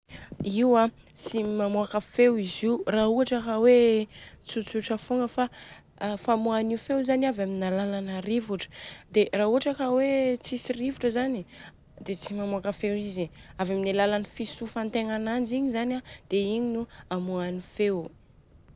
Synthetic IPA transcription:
iwa | t͡simamuakafewiziraɦuɦaʈ͡ʂakawet͡sut͡suʈ͡ʂəfuŋɡəfa | famuanifewzaniavaminalalanaɾivuʈ͡ʂə̥d̪eraːuaʈ͡ʂakawet͡sisirivuʈ͡ʂəzani | d̪̥et͡simamuakafewiziavaminalalanifisufant̪eŋanand͡ʒiɲizanad̪̥eiɲinuamuanifew

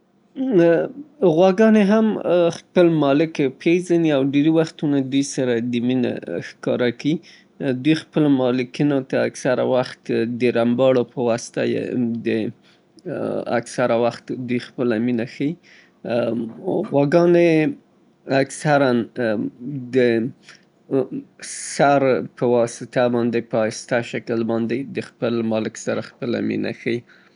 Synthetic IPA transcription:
ɣwaɡɑneɦamxpəlmɑlɪkpʰezaniawɖeɾiwaxt̪unad̪ujsaɾad̪əmina̰xkɑɾaki | d̪ujxpəlomɑlɪkinot̪aːksaɾa̰waxt̪d̪əɾambɑɽopəwɑst̪a̰jḛd̪ə | a̰ksaɾawaxt̪d̪ujxpəlaminaxai | ɣwaɡɑne | aksaɾan | d̪ə | saɾpəwɑsɪt̪abɑnd̪epəɑst̪aʃakəlbɑnd̪ed̪əxpəlmɑlɪksaɾaxpəla̰mḭna̰xai

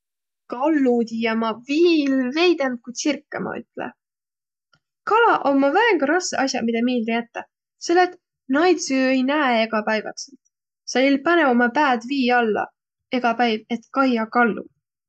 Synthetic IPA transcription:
kɑlːud̪ʲijɑmɑvilve̞jd̪en̚kujd̪̥sirkːemɑ̰y̰t̪ˑlḛ | kɑlɑʔomːɑvæeŋɡɑɾɑsːeʔɑsʲjɑ̰mid̪ɑmiːld̪ejæt̪ːɑ | selːet̪ | nɑjt̪syejnæːeɡ̥ɑpɑjvɑ̰t̪selt̪ | sɑjlpɑnevomɑpæːd̪viːɑlːɑ̰ | e̞ɡ̥ɑpæjve̞t̪kɑjɑkɑlːṵ

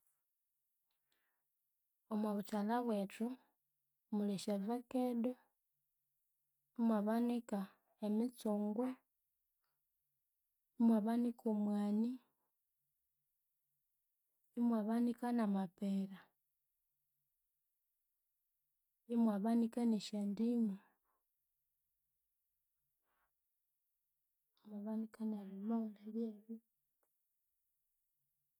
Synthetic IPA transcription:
omwaβut͡ʃalaβwetu | muliʃevakedo | imwaβanika | emit͡soŋɡwe | imwaβanikomwaːni | imwaβanikanamapeɾa | imwaβanikaneʃandimu | imwaβanikanaβimaundaβjɛβi

